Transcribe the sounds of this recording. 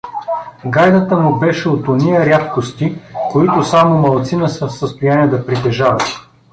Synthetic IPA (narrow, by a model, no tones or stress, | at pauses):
ɡajd̪ət̪əmubɛʃɛot̪onijɐɾʲjat̪kost̪ikoit̪ʊsamomɐlˠt̪sinəsɛfsəst̪ʊjaniɛd̪ɐpɾit̪ɛʒavɐ